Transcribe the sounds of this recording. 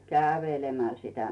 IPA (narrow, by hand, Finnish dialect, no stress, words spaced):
kæˑʋeˑlemæl sitæ